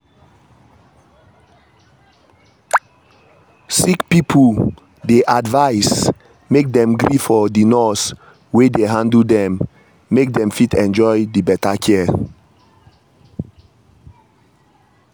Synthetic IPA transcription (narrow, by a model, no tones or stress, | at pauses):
sikpipʰu | deʔadvaɪs | mek̚dɛ̃mɡɹifɔdinɔs | wedeɦãndəldɛ̃mː | ek̚dɛ̃mfitʰɛ̃nd͡ʒɔɪdibɛtakʰɛ